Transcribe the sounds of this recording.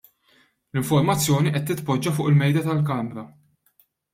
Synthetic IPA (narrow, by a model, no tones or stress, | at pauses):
lɪɱfɔɾmɐt͡sːjɔːniʔɛt̪ːɪt̪pɔd͡ʒːɐfʊːʔɪlmɛjd̪ɐt̪ɐlkɐmɾɐ